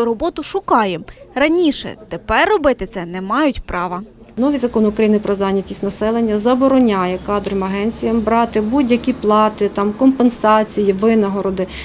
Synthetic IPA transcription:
ɾɔbɔt̪ʊʃʊkɑjemrɐnʲiʃɛ̰t̪epɛrːɔbɪt̪ɪt̪sɛnɛmɑjʊtʲpɾɑʋɐ | nɔʋʲizɐkɔnʊkɾɐjinɪpɾɔzɑnʲːɐtʲisʲtʲnɐsɛlˠenʲːɐzɐbɔɾɔnʲɑjɛkɑd̪ɾɔmɐɦɛnʲt͡sʲijɐmbɾɑt̪ɪbudʲjɐkʲiplˠɑt̪ɪt̪ɑmkɔmpensɑt͡sʲijiʋɪnɐɦɔɾɔd̪ɪ

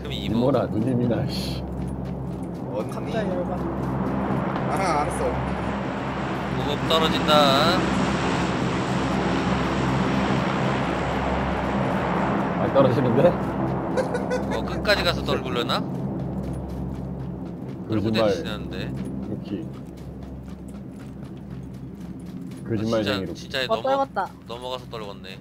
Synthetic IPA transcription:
kʰɯmiiimonanuɲiminaɕi | ʌamama | as͈ʌ | kuɡʌpt͈ʌɾʌd͡ʑinda | maɭt͈ʌɾʌd͡ʑinɯnde̞ | ʌk͈ɯk͈ad͡ʑiɡasʰʌt͈ʌɭɡuɭːena | kɯd͡ʑimːaeannde̞jokʰi | kɯd͡ʑimːaaiot͡ɕit͡ɕ͈aeʌɡʌt̚t͈anʌmʌɡasʰʌt͈ʌɭɡʌnːe̞

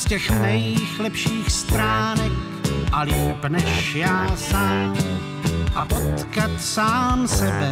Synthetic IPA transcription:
scɛxnɛjxlɛpʃiːxst̪ɾaːnɛk̚ | ʔalɪxbnɛʃjaːsaːm | ʔapot̪kat̪saːmsɛbɛ

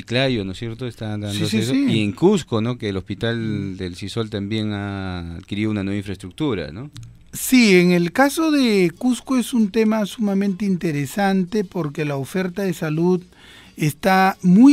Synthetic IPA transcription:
iklajonosje̞ɾt̪oest̪and̪and̪osesoiieŋkuskono̞keːlospit̪ald̪elsiso̞lt̪ambje̞ŋa̰ːd̪kiɾiðunanweβaiɱfɾaest̪ɾuk̚t̪uɾa̰no | sieŋe̞lkaso̞ðekuskoesunt̪e̞masumamẽnt̪eint̪eɾesant̪e̞po̞ɾke̞laofe̞ɾt̪aðe̞saluð | est̪amu

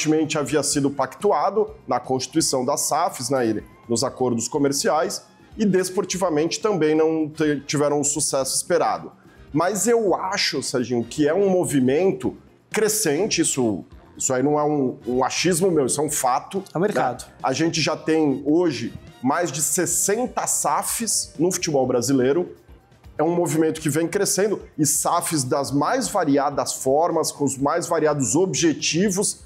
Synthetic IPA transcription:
t͡ʃɪmẽnt͡ʃɪaviɐsid̪ʊpakt̪uad̪ʊnɐkõst͡ʃi̥t̪uisɐ̃w̃d̪ɐsafɪznɛi | nʊzakoɾd̪ʊskomeɾsiajs | ɪd̪espoɾt͡ʃivɐmẽnt͡ʃɪ̥t̪ɐ̃mbẽj̃nɐ̃w̃t̪et͡ʃivɛɾɐ̃w̃ʊ̃susɛsʊispeɾa̰d̪ʊ | mɐzewaʃʊsɛɾʒĩɲʊkʰɪɛũmovimẽnt̪ʊ | kɾesẽnt͡ʃɪisʊisʊainɐ̃w̃ɛũũaʃizmʊmewisʊɛũfat̪ʊɛ̃meɾnk̪ad̪ʊaʒẽnt͡ʃɪʒat̪ẽj̃oʒɪmajzd͡ʒɪsesẽnt̪ɐsafɪsnʊfu̥t͡ʃɪbɔwbɾazileɾʊ | ɛũmovimẽnt̪ʊ̥kɪvẽj̃kɾesẽnd̪ʊɪsafɪzd̪ɐzmajzvaɾiad̪ɐsfɔɾmɐskõʊzmajzvaɾiad̪ʊzobʒet͡ʃivʊs

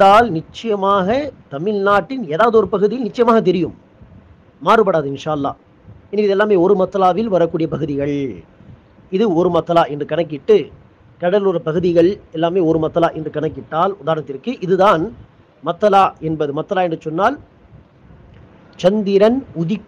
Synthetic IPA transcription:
aːlnɪt͡ʃːɐjɐmaːɣɐt̪ɐmɪlnaːʈːɪneːðaːʋɐðɯɔɾɯpɐɣɯðɪjɪlnɪt͡ʃːɐjɐmaːɣɐt̪̬ɛɾɪjɯmː | aːrɯpɐɽaːðɯɪnʂaːɐlːa̰ː | ɪnɐʋiːðɛlːaːmeːɔɾɯmɐt̪ːɐlaːʋɪlʋɐɾɐkːuːɽɪjɐpɐɣɯðɪɣɐɭ | ɪðɯɔɾɯmɐt̪ːɐlaːɛndrɯkɐɳɐk̬ːɪʈːɯ | kɐɽɐlɯrɐpɐɣɯðɪɣɐɭɛlːaːmeːɔɾɯmɐt̪ːɐlaːʔɛndrɯkɐɳɐkːɪʈːaːlʊðaːɾnɐt̪ːɪɾkːɯʔɪðɯðaːn | mɐt̪ːɐlaːʔɛnbɐðɯmɐt̪ːɐlaːɛndrɯsɔnːaːl | t͡ʃɐnd̪ɪɾɐnʊðɪk

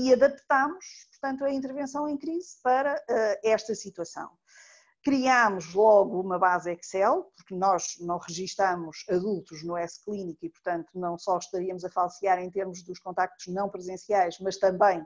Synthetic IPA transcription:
iɐðɐpt̪amuʃpuɾt̪ɐ̃nt̪uɐĩnt̪̬ɨɾvẽsɐ̃w̃ẽj̃kɾizpɐɾɐɛɛʃt̪ɐsit̪wɐsɐ̰̃w̃ | kɾiamuʒlˠɔɣuumɐβazɛksɛlˠpuɾknɔʒnɐ̃w̃ʁɨʒiʃt̪amuʃɐðulˠt̪uʒnuɛsklˠinikipuɾt̪ɐ̃nt̪unɐ̃w̃sɔʃt̪ɐɾiɐmuzɐfalˠsiaɾẽj̃t̪eɾmuʒðuʃkõnt̪ak̚t̪u̥ʒnɐ̃w̃pɾɨzẽsiajʃmɐʃt̪ɐ̃mbɐ̃j̃

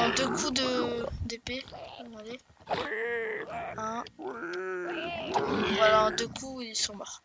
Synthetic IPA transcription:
ɑ̃d̪økʰud̪əd̪epevale | ɛ̃ | vwalãd̪økuilsɔ̃mɔʁ

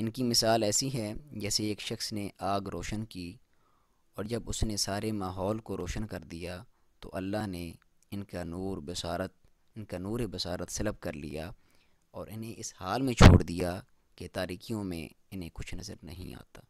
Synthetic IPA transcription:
ɪnkimɪsaːlɛːsiɦɛd͡ʒɛːseːkʃɐxsneʔaːɡɾoːʃənki | ɔːɾd͡ʒɐbʊsnesaːɾemaːɦɔːlkoɾoːʃənkɐɾd̪ija | t̪o̰ʔɐlːaɦne | ɪnkanuːɾbɪsaːɾət̪̚ | ɪnkanuːɾebɐsaːɾət̪sɐləb̚kɐɾlḭjaː | ɔːɾʔɪnɦẽʔɪshaːlmẽt͡ʃʰo̰ːɽd̪ijaː | ket̪aːɾiːkijõmḛ̃ | ɪnẽkʊt͡ʃʰnɐzəɾnɐ̰ɦḭ̃a̰ːt̪aː

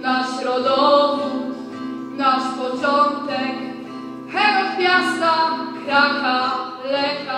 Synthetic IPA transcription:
naɕɾɔd̪ɔvu | naʂpɔt͡ʂɔnt̪ɛk | xɛɾɛpʲjast̪akɾaka | lɛka

